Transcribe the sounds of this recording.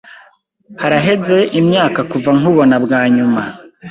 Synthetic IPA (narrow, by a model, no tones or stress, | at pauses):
haɾaɦe̞ze̞ʔimɲaːkakuvaŋuβo̞nabɡaːɲuma